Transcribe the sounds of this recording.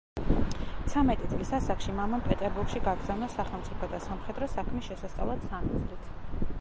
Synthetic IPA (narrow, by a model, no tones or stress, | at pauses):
t̪sʰamɛt̪ʼit̪sʼlisasakʃimamampʼɛt̪ʼɛɾbuɾɡʃiɡaɡɾz̥awnasaχɛlˠmt̪sʼipʰɔd̪asamχɛd̪ɾɔsakʰmisʃɛsast̪ʼa̰vlˠat̪sʰamɛt̪sʼlit̪ʰ